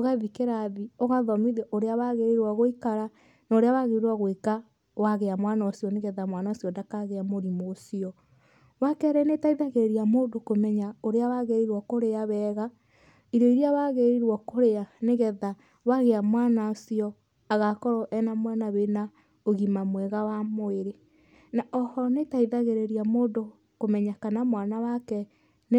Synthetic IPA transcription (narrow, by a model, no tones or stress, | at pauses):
oɣaðikeɾaðioɣaðɔmiðɛʔoɾeawaɣeɾiɾwaɣoikaɾa | naoɾeawaɣeɾiɾwaɣweka | waɣeamwanaosjɔneɣɛðamwanaosiɔndakaɣeamoɾimosiɔ | wakɛɾɛnetaiðaɣeɾeɾiamoːndokomɛɲaoɾeawaɣeɾiɾwɔkoɾeaβɛːɣa | iɾɔiɾiawaɣeɾiɾwɔkoɾeaneɣɛða | waɣeamwanaosiɔ | aɣakɔɾɔʔɛnamwanaβena | oɣimamwɛɣawamoeɾe | naʔɔhɔnetaiðaɣeɾeɾiamoːdo | komɛɲakanamwanawakɛ | n